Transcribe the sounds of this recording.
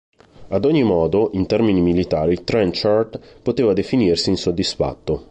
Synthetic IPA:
ad̪oɲːimɔːd̪oʔint̪ɛrminimilit̪aːɾilt̪ɾɛnt͡ʃart̪pot̪eːvad̪efinirsiːnsod̪ːisfa̰t̪ːo

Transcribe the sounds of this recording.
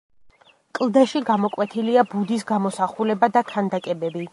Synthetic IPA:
kʼlˠd̪aʃiɡamɔkʼwɛt̪ʰiliabud̪is̬ɡamɔsaχulɛbad̪akʰand̪akʼɛbɛbi

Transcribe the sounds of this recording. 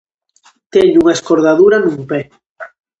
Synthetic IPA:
t̪ɛɲuŋaeskoɾðaðuɾanumpɛ

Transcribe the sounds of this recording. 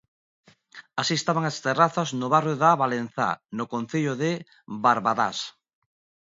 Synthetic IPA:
asiest̪aβaŋast̪eraθaznʊβarjoðaβalen̟θa̰nokõn̟θeʎoðe | baɾβaða̰s

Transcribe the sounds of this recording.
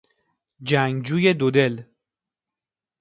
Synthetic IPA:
d͡ʒæŋɡd͡ʒuːje̞d̪od̪e̞l

